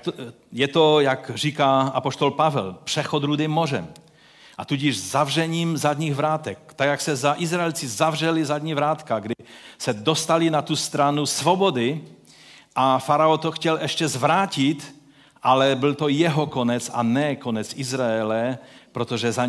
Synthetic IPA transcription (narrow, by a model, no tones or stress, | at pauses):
jɛt̪ojakriːkaapoʃt̪olpavɛlpr̥ɛxod̪ɾud̪imːorɛm | ʔat̪uɟiʒzavrɛɲiːmzad̪ɲiːɣvɾaːt̪ɛk̚t̪aɡjaksɛzaʔɪzɾaɛlt͡sɪzavrɛlizad̪ɲivɾaːt̪kaɡdɪsɛd̪ost̪alɪnat̪ust̪ɾanusvobod̪ɪ | ʔafaɾaot̪oxcɛlʔɛʃcɛzvɾaːcɪt̪ | ʔalɛbɪlt̪ojɛɦokonɛt͡sa̰nɛkonɛt͡sʔizɾaɛlɛpɾot̪oʒɛzaɲ